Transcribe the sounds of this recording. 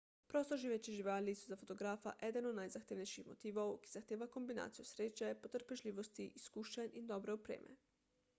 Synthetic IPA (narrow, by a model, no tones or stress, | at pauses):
pɾoːst̪oʒiʋeːt͡ʃiʒiʋaːlisuzafot̪oɡɾaːfa̰ʔɛd̪ɛnɔd̪najzaxt̪eːʋnejʃixmot̪iːʋowki̥zaxt̪eːʋakombina̰ːt̪sijosɾeːt͡ʃɛpot̪əɾpɛʒlʲiːʋost̪iʔiskuːʃanind̪ɔbɾɛopɾḛːmʔɛ̰